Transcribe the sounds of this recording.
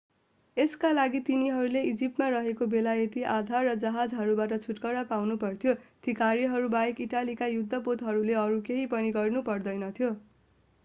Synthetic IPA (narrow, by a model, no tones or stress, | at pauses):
eskalaɡit̪iniɦʌɾuleid͡zip̚ʈmaɾʌɦekobelajet̪iʔad̪ʱarːʌd͡zʌɦad͡zɦʌɾubaʈʌt͡sʰuʈkʌɽapawnupʌrt̪ʰjot̪ikaɾiɦʌɾubajekiʈalikajud̪ʱːʌpot̪ɦʌɾuleʌɾukeɦipʌniɡʌrnupʌrd̪ʌjnʌt̪ʰjo